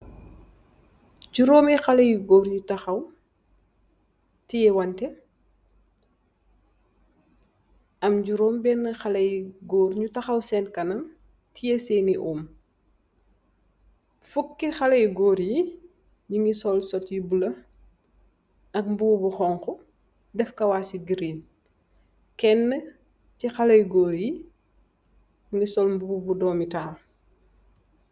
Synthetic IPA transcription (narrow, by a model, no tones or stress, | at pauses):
ɟuɾoːmixɐlɐjiɡɔːɾɲutɐxɐw | tijɛwɐntɛ | ɐmɟuɾoːmbɛnːɐxɐlɐjɡoːɾɲutɐxɐwsɛnkɐnɐm | tijɛsɛːniʔum | fukːixɐlɐjɡɔːɾji | ɲuŋɡisɔlsɔtjibulɐ | ɐk̚mbubuxɔŋxɔ | dɛfkɐwaːsiɡiɾiːn | kɛnːə | cixɐlɐjɡɔːɾji | ɲuŋɡisɔlmbubbudɔːmitaːl